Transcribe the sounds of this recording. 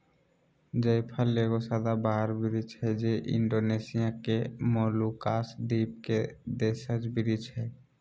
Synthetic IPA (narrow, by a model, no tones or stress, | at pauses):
d͡ʒəjpʰəlːeɡosad̪abaɦəɾbiɾit͡ʃʰɛd͡ʒeʔɪ̰ɳɖonesijakemolukasd̪ip̚ked̪esəd͡ʒbiɾit͡ʃʰɛ